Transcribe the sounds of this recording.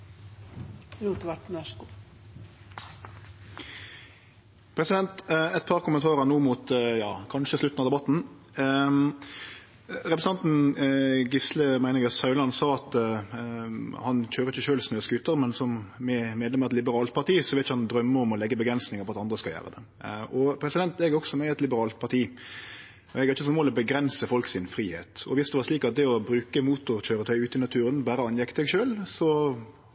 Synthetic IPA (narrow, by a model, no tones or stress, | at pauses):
luːt̪əʋæʈːnæʃku | pʰɾɛsɪd̪ɛnt̪ɛt̪̚pʰɑʁkʊmənt̪ʰɑːɾənuːmut̪jɑ̰ːkʰɑnʃəslʉt̪ːn̩ɑd̪ɛbɑt̪ːn̩ | ʁɛpɾəsn̩ɑnt̪n̩ | ɡɪsləmæɪnɪɡəsɑʉlɑnsɑːɑt̪ | hɑnc͡çøːɾəɪçəʃøːlsmøːskʉt̪ːəɾmɛnsɔmmɛmeːd̪lɛmɑɛt̪lɪbəɾɑːlt̪̚pʰɑɾt̪iːsɔʋɛlt̪ɪçəhɑnd̪ɾœmːəɔmɔlɛɡːəbəɡɾɛnsnɪŋəɾpʰɔɑt̪ɑnd̪ɾəskɑljæ̰ːʁə̰d̪ɛ̰ | ɔpʰɾɛsɪd̪ɛnt̪ɛɡɾɔɡsɔmɛɛt̪lɪbəɾɑːlt̪̚pʰɑʁt̪ʰiː | ɛɡɾɪçəsɔnmoːlɔbəɡɾɛnsəfɔlksɪnfɾiːhḛːt̪ɔ̰ʋɪsd̪ɛʋɑːʂliːkɑt̪̚d̪ɛɔbɾʉːkəmuːt̪ʊɾc͡çøːɾət̪ʰœʏʉːt̪ɪnɑt̪ʰʉːɾənbæːɾəɑnjɛkd̪ɛɡʃøːlsɔ